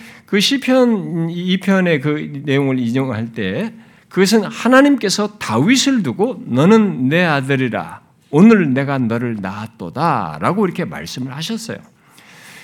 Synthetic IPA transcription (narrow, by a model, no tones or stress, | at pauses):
kɯɕʰipʰjʌnipʰjʌne̞kɯne̞joŋɯɭiɲoŋɯɭɦaɭt͈e̞ | kɯɡʌs̬ʰɯnhanaɲimk͈e̞sʰʌtawisʰɯɭduɡonʌnɯnːe̞adɯɾiɾa̰ | onɯɭne̞ɡanʌɾɯɭnaat̚t͈oda̰ɾaɡoiɾʌkʰe̞ma̰ɭs͈ɯmɯɭhaɕʰʌs͈ʌ̰jo̰